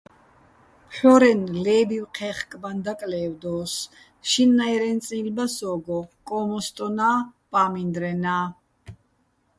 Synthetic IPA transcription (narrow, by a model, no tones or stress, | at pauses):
pħɔɾɛnlɛːbiwqʰɛχkʼband̪akʼlɛːwd̪ɔːs | ʃinːajɾɛnt͡sʼilbasɔːɡɔkʼɔmɔst̪ʼɔnaːpʼaːmind̪ɾɛnaː